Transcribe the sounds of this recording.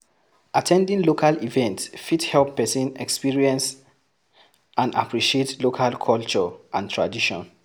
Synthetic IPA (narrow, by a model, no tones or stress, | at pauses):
ʔatʰɛ̃ndĩŋlokʰalivɛ̃ntsfithɛlpːɛsĩnɛkspiɹiɛ̃ns | ãna̰pɹiʃietlokʰalkʰɔlt͡ʃɔʔãntʰɹa̰diʃɔ̰̃n